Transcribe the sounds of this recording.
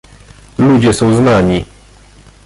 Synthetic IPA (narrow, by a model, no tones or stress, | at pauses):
lud͡ʑɛsɔ̃w̃znaɲi